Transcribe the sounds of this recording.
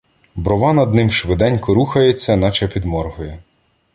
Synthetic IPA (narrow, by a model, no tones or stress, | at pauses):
bɾɔʋɑnɐd̪nɪmʃʋɪd̪ɛnʲkɔɾuxɐjet͡sʲːɐnɑt͡ʃɐpʲid̪mɔrɦʊjɛ